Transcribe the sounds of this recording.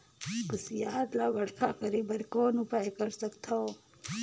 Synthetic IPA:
pəsjaːd̪laːʋɐɽkʰaːkəɾeːbɐɾkoːnupaːekɐɾsɐkt̪ʰo

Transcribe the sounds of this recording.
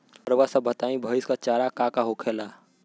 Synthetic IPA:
əɾwasə̃bʱət̪aĩbʱəjskat͡ʃaɾakakaɦokʰela

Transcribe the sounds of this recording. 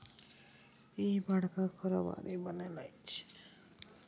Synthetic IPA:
ebaɽkakʰɔɾɔba̰ɾebənelajt͡ʃʰe̥

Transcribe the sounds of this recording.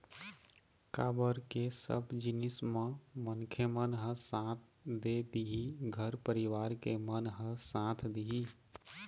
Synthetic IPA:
kaːbəɾkesə̰bd͡ʒɪnɪsmãmənkʰemənɦə̃sãːt̪ʰd̪ed̪iɦiɡʱəɾpəɾɪʋaːɾkemənɦə̃sãːt̪ʰd̪iɦi

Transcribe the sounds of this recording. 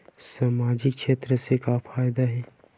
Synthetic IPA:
saːmaːd͡ʒɪkʃeːt̪ɾəsekafaːjd̪aɦɛː

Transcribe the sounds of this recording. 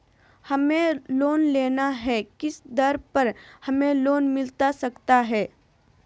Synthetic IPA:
hɐmẽloːnleːnaɦɛkɪsd̪ɐɾpɐɾhɐmẽloːnmɪlt̪asɐkt̪aɦɛː

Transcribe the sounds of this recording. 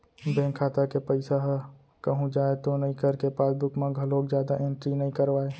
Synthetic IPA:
bẽːŋkʰaːt̪akepəɪsaɦ | kəɦũd͡ʒaːet̪onɐɦĩkəɾkepaːsbʊkmãɡʱəloːkd͡ʒjaːd̪aʔẽɳʈɾinəɦĩkəɾʋaːe

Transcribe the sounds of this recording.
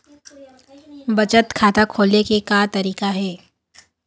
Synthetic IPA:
bɐt͡ʃət̪kʰaːt̪akʰoːlnekekat̪ɐɾiːkaɦɛː

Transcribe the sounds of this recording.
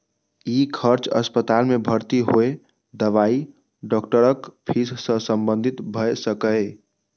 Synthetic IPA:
ikʰəɾt͡ʃə̰spət̪almebʱəɾt̪iɦoe | d̪əʋai | ɖɔkʈəɾəkpʰissə̃səmbə̃nd̪ʱit̪bʱəsəkəj

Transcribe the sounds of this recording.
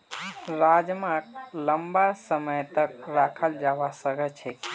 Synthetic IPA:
ɾad͡ʒmãkləmbasəməjt̪ək̚ɾakʰəld͡ʒaʋasəɡʱət͡ʃʰe

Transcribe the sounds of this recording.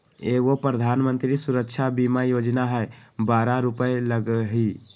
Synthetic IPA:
eɡopɾəd̪ʱanmənt̪ɾisuɾək̚t͡ʃʰabimajod͡ʒnaɦəebaɾaɾupəeləɡɦi

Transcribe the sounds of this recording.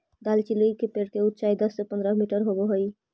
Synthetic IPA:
d̪alt͡ʃilujkepeɾkeut̪ːʃaid̪ɔsːepənd̪ɾamiʈəɾɦoboɦoj

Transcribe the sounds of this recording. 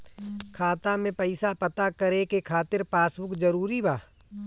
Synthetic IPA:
kʰaːt̪amẽpəɪsapət̪akəɾekekʰaːt̪ɪɾpaːsbʊkd͡ʒəɾuːɾibaː

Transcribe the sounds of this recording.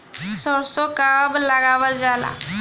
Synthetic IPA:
sɔɾsokablaɡaʋəld͡ʒaːla̰

